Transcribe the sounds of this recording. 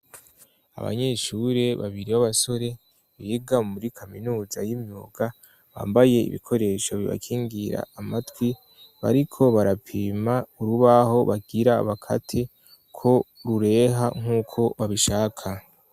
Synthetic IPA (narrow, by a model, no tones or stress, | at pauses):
a̰βa̰ɲe̞ʃuɾe̞βa̰βiɾiβaβaso̞ɾe̞ | βiɡamuɾikʰaminuːzajimɲuːɡ̥a | βa̰ːmbaje̞ḭβḭkʰo̞ɾe̞ːʃaβiβa̰kʰiːŋɡiɾa̰ːmatwi | βa̰ɾikʰo̞βaɾapʰiːmauɾuβaho̞βaɡiɾa̰ːβakʰa̰tʰe | kʰo̞ɾuɾe̞ːɦaŋ̥uːkʰo̞βaβiʃaːkʰa